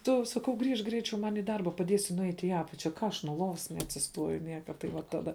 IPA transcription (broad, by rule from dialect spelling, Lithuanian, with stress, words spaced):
ˈtʊ sɐˈkɐʊ ˈɡrʲiːʃk ˈɡrʲɛɪt͡ʃʲɛʊ ˈmɐnʲ iː ˈdɐrbɐ pɐˈdʲiɛsʲɪ nʊˈɛɪtʲ iː ˈɑːpɐt͡ʃʲɛ ˈkɑː ɐʃ nuɔ ˈlˠoːʋɐs nʲɛɐtʲsʲɪsˈtuɔjʊ ˈnʲiɛkɐ tɐɪ ˈʋɐ ˈtɑːdɐ